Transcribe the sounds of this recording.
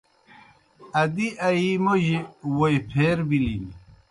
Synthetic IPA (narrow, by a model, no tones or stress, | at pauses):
ɐd̪iʔɐimoʑiwojpʰeːɾbilini